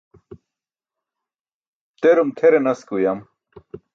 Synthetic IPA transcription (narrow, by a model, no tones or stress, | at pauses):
t̪eɾumt̪ʰeɾenɐskujɐm